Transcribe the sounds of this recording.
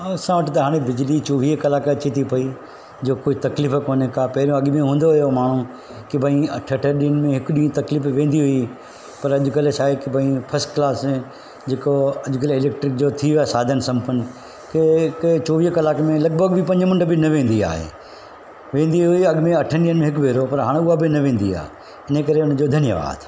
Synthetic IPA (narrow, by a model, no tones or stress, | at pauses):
ɐsãʋəʈɪt̪ɐɦaːɽ̃ebɪd͡ʑlit͡ɕoːʋiːɦkɐlaːkət͡ɕit̪ʰipɐi | d͡ʑoːkoːit̪ɐkliːfkoːnekapɐɦɪɾijõɐɠmẽɦũːnd̪oɦʊjomaːɳ̤u | kɪbʱəĩɐʈʰəʈʰəɗinmẽɦɪkʊɗĩũt̪ɐkliːfʋẽːn̆d̪iɦʊi | pɐɾɐʄʊkɐlet͡ʃaːɦekibʱɐĩfʰɐsʈklaːs | d͡ʑeːkoɐʄʊkɐleɪleːk̚ʈɾɪk̚d͡ʑoːt̪ʰiʋaːsaːd̪ʱənsɐ̃mpən | kekt͡ɕoːʋiːɦkɐlaːkmẽlɐɡ̚bʱəɡbʱɪpɐ̃ɲd͡ʑmʊ̃ɳʈəbɪnɐʋẽːn̆d̪ia̰ːɦḛː | ʋẽːn̆d̪iɦʊiɐɠmẽɐʈʰənɗiːənmẽɦɪk̬ʋeːɾopɐɾɦaːɽ̃ʊɦabɪnɐʋẽːn̆d̪ia̰ː | ɪnəkɐɾeʊnd͡ʑoːd̪ʱɐnijə̰ʋa̰ːd̪